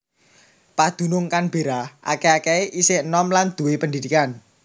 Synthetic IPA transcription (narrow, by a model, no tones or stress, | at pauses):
pad̪̥ṳnʊŋkanb̥eɾaʔa̰keakɛeʔisɪnɔmland̪̥ṳwepəndid̪̥ikan